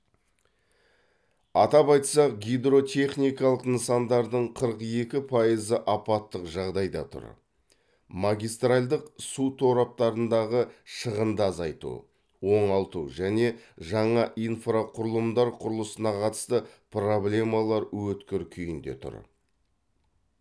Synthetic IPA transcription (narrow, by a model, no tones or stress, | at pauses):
ɑt̪ɑpɑjt̪sɑq̚ɡʲijd̪ɾo̞t̪ʲʰe̞χnijkɑlˠəqnəsɑnd̪ɑɾd̪əɴqʰəɾəqje̞kʲɪpʰɑjəzəʔɑpɑt̪ːəqʒɑʁd̪ɑjd̪ɑ̰t̪ʰʊ̰ɾ | mɑɡʲijst̪ralʲd̪əqsut̪ʰo̞ɾɑp̚t̪ɑɾənd̪ɑʁəʃəʁənd̪əɑzɑjt̪ṵ | wo̞ɴɑlˠt̪ṵʒæne̞ʒɑɴɑʔijnfraqʰʊɾəlˠəmd̪ɑɾqʰʊɾəlˠəsənɑqʰɑt̪ə̥st̪əpro̞blʲe̞mɑlˠɑɾwɵt̪kʲeɾkʲʰʏjɪnd̪e̞̰t̪ʰʊ̰ɾ